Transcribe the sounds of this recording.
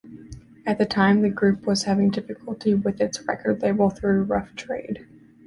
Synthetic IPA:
ɨt̪̚ðɨtʰãɪ̃mðɨɡɹʉpwʌz̥hævɪ̃ŋdɪfɨkʰəl̩ˠtʰiwɪðɨtsɹɛ̰kʰə˞dˡleɪbl̩ˠθɹʉɹʌftʰɹ̥eɪd̥

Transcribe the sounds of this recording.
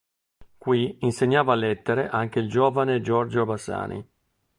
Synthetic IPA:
kwiinseɲːaːvaːlːɛt̪ːeɾeʔaŋk̟eild͡ʒoːvaned͡ʒɔrd͡ʒobasa̰ːnʔḭ

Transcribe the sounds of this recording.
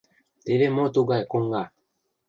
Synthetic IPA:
tevemɔtoɡaekoŋɡa

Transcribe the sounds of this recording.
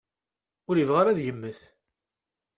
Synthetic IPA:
ʊɾəvʁaɾæðjəmːəθ

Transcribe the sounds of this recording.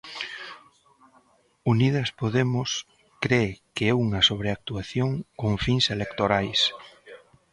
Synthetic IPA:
uniðɐspoðemʊs | kɾekɪɛuŋɐsoβɾeak̚t̪uaθjoŋkoŋfiŋselekt̪oɾajs

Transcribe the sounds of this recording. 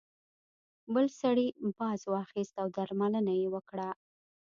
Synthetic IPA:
bəlsaɽibɑzwɑxist̪awd̪aɾmalənajewəkɽa

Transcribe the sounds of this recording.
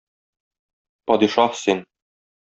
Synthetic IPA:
pɒd̪iʃɑhsin

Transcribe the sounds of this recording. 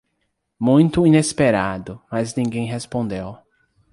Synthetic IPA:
mũj̃t̪ʊinespeɾad̪ʊmaznĩɡẽj̃ɦespõnd̪ew

